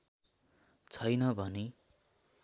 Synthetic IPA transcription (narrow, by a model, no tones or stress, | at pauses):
t͡sʰʌjnʌbʱʌne